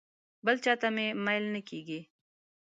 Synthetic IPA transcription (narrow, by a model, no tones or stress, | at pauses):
bəlt͡ʃaːt̪amẽmajlnəkiːɡi